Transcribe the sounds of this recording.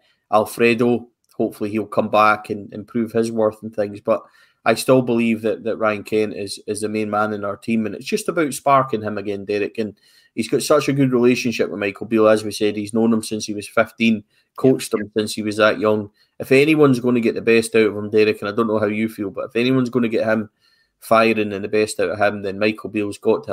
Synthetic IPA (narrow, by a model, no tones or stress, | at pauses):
ʔalˠfɹɛdo | hopfəl̩ˠiilˠkʰʌ̃mbakʰə̃nɪ̰̃npʰɹ̥ʉːv̥ɪzwɜ˞θən̩θɪ̃ŋzb̥ʌʔ | ʔaɪstɪlˠbɪlˠivðəʔðəʔɹaɪə̃nkʰɛ̃nʔɪz̥ɪzðəmẽnmãnɨ̃naə˞tʰĩmə̃nɪ̰tsd̥ʒ̥ʌstəbaʊtspaɹkɪ̃ŋɪ̃məɡɛ̃ndɛɹɪkə̃n | izɡɔtsʌt͡ʃəɡʉd̚ɹilˠeʃə̃nʃɪp̚wəðmaɪkʰl̩ˠbilˠəzwisɛd̚hiznõnə̃msɪ̃nshiwɒz̥fɪftĩn | kʰot͡ʃtə̃msɪ̃nshiwʌzðəʔjʌ̃ŋ | ɪfɛniwʌ̃nzɡõnəɡɛʔðəbɛstaʊʔəvə̃mdɛɹɪkə̃naɪdõnːoɦaʊjəfilˠbʌʔɪfɛniwʌ̃nzɡõnəɡɛʔhɪ̃m | faɪəɹɪ̃ŋɨ̃nðəbɛstaʊʔəv̥ɪ̃mðɨ̃nmaɪkʰl̩ˠbilˠzɡɔʔʰə̃